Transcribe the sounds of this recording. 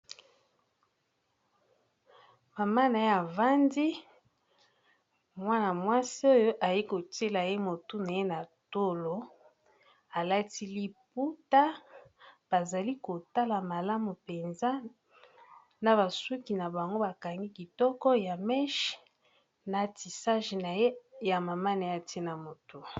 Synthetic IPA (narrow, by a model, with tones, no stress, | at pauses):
ma˨ma˦na˨e˦a˨va˦ndi˦ | mwa˦na˨mwa˦si˦o˦jo˦ʔa˨je˦ko˨te˦la˨je˦mo˨tu˦na˨e˦na˨to˦lo˨˦ | a˨la˦ti˦li˦p̚u˦ta˦ | b̥a˨za˨li˦ko˨ta˦la˨ma˨la˦mu˨pe˨nza˦ | na˨βa˨su˦ki˨na˨ba˨ŋɡo˦ba˨ka˨ŋɡi˦ki˨tɔ˦kɔ˦ja˨mɛ˦ʃ | na˨ti˨sa˦ʒna˨je˦ja˨ma˨ma˦na˨ja˦˨te˦na˨mo˨tu˦